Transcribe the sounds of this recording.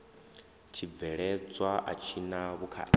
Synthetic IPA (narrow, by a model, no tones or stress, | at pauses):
t͡ʃʰib̪vɛɺɛt͡sʼwaʔa̰t͡ʃʰinaβukʰa̰